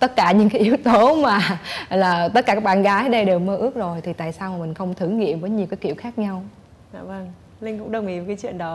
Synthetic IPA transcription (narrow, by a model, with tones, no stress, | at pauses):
t̪ə˦˥t̚kaː˧˩ɲɨ̰˧ŋkaː˨˦jʔi˨˦əwt̪o˨˦maː˨˩laː˨˩t̪ə˦˥t̚aː˧˩aː˦˥k̚ɓaː˧˨nɣaː˨˦ja˨˦ɗə˧jɗe˨˩wməː˧ʔɨ˦˥ək̚zo˨˩jt̪ʰi˨˩a̰ː˧˨jsaː˧wmaː˨˩mï˨˩ŋ̟xə˧wŋ͡mt̪ʰɨ˧˩ŋŋḭ˧˨əmvəː˨˦jɲi˨˩əwkaː˨˦jki˧˨wxaː˦˥k̚ɲa˧w | zaː˧˨˩və˧ŋ | lï˧ŋ̟kʊ̰˧˥ŋ͡mɗə˨˧˩wŋ͡mʔḭ˧˩ə˨kaː˨˦jt͡ɕwḭ˧˨ənɗɔ˨˦